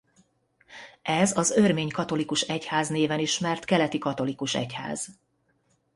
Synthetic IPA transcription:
ʔɛzɒzørmeːɲkɒt̪o̞likuʃɛchaːzneːvɛniʃmɛrt̪kɛlɛt̪ikɒt̪o̞likuʃɛ̰cha̰ːz̥

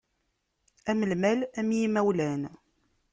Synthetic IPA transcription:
æməlmælæmjimæwlæn

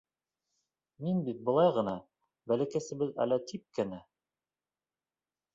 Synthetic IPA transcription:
minbit̪̚bɤ̆lˠɑjʁɤ̆nɑ | bælɘ̆kæsɘ̆bɘðæ̰læt̪ip̚kænæ

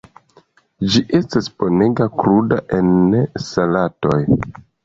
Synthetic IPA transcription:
d͡ʒiʔe̞staspo̞ne̞ɡakɾuda̰ʔe̞nesalato̞j

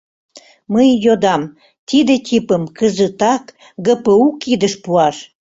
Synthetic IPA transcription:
məjjod̪ɑm | t̪id̪et̪ʲipəmkəzət̪ɑk | ɡəpəukid̪əʃpuɑʃ

